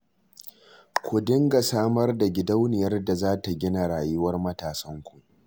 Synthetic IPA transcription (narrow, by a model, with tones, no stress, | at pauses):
kʷʊ˨dɪ˦ŋɡa˨saː˦mɐ˦rda˨ɡʲɪ˦da˦wnɪ˨jɐ˦rda˨zaː˦ta˨ɡʲɪ˦na˨ɽaː˨jʊ˦wɐ˦rmɐ˦taː˨sɐ˦ŋkʷu˨